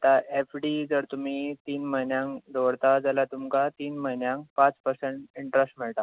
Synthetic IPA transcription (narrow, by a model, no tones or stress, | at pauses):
t̪aefɖid͡zəɾt̪um̤iːt̪iːnməɦinjãŋkd̪oɽt̪ad͡zalat̪umkat̪iːnməɦinjãŋk̚pãt͡spəɾseɳʈiɳʈɾesʈm̤iɭt̪a